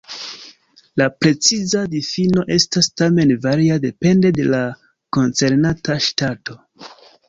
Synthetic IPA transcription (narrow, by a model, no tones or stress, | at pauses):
lapɾe̞t͡sizadifino̞ʔe̞stastame̞nvaɾiade̞pe̞nde̞de̞la | ko̞nt͡se̞ɾnataʃtatʰo̞